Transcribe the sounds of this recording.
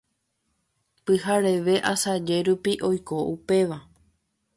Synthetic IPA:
pɨɦaɾe̞ʋe̞ʔasad͡ʒe̞ɾupiʔo̞jko̞ʔupe̞ʋa

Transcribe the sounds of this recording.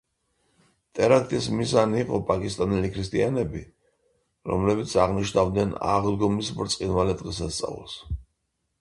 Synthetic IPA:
t̪ʼɛɾakʰt̪ʼismizaniːqʼɔpʼakʼist̪ʼanɛlikʰɾis̬t̪ʼianɛbi | ɾɔ̰mlɛbit̪sʰaʁniʃnavd̪nɛna̰ʁd̪ɡɔmisbɾt̪sʼqʼinvalɛd̪ʁɛsast̪sʼa̰v̰lˠs

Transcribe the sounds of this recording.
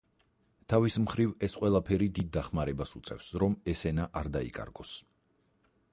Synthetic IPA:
t̪ʰavismχɾivɛsqʼwɛlˠapʰɛɾid̪id̪̚ːaχmaɾɛbasut̪sʼɛ̰fsɾɔmɛsɛnaʔaɾd̪aḭkʼa̰ɾɡɔs

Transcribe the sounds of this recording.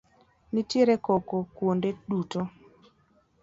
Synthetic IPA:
nitjeɾekokokwondeɗuto

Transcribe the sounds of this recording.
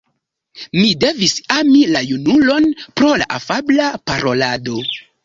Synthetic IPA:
mide̞visamilajunulo̞npɾo̞la̰ʔafablapaɾo̞lado̞

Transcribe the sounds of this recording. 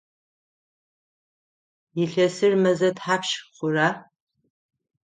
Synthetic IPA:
jɪɬɐsɨrmɐzɐtħaːpʃχʷʊraː

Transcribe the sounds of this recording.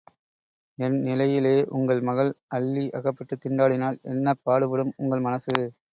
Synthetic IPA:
ɛnnɪlɐjɪleːʔʊ̰ŋɡɐɭmɐɣɐɭʔɐɭːiʔɐɣɐpːɐʈːɯt̪ːɪɳɖaːɽɪnaːlɛ̰nːɐpːaːɽɯʋɪɽɯmʊŋɡɐɭmɐnɐsɯ

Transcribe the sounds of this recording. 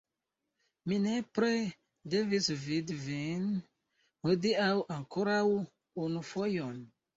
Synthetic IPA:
minepɾe | devisvidvin | hodiawʔaŋkʰoɾaw | unufojɔn

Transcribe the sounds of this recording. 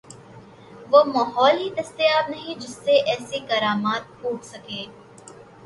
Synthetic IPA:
ʋoːmaːɦɔːlɦid̪ɐst̪eaːb̚nɐɦĩd͡ʒɪsːeʔɛːsekɐɾaːmaːt̪̚puːʈʰsɐkeː

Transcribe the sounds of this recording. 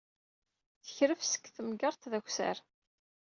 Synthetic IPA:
θə̥çɾəfsə̥kθəmɡəɾˤt̪ðæçʷsæ̰ɾ

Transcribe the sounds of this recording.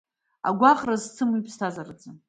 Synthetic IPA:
a̰ɡʷaχʼrazt͡sʰɨmuipʰstʰazarad͡zɨ

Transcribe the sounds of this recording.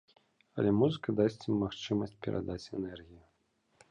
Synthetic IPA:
ɐ̰lʲɛmuzɨkɐd̪asʲt͡sʲmːaxt͡ʂɨmɐsʲt͡sʲpʲɛɾʔa̰d̪at͡sʲɛnɛrɣʲiju

